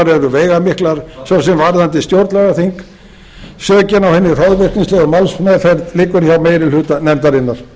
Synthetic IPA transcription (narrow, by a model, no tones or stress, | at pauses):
ɾɛɾʏveːjɣamɪhklaɾ̥sɔwsɛmvaɾðant̪ɪst̪jowɾt̪lɛɣaθiŋk | sœːcɪnawhɛnːɪr̥ɔðvɪr̥k̪ninslɛːɣamalsmajðθfɛɾt̪lɪːkʏɾçawmeːjɾɪlʏːt̪anɛmt̪aɾɪnːaɾ̥